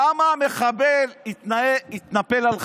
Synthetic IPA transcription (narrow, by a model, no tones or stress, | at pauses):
amaːme̞χabelit̪naeit̪nape̞lalχ